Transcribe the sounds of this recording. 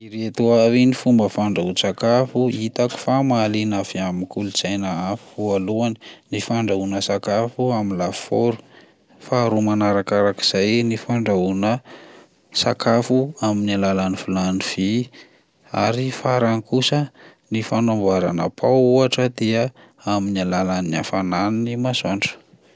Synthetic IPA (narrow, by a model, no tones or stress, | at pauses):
iɾet̪uavinifumbəfaɳɖ͡ʐaut͡sakafuit̪aku̥famalinafiamikuluz̥ajnaafi̥vualuani̥nifaɳɖ͡ʐaunəsakafuaminlafoɾu̥ | faːɾumanaɾakaɾaki̥z̥ajnifaɳɖ͡ʐaunə | sa̰kʰafuaminalalaniv̥ulaniv̥i | a̰ɾifaɾanikusə | nifanambaɾa̰na̰pʰawuaʈ͡ʂəd̪eə | aminalalania̰fanannimasaɳɖ͡ʐə̥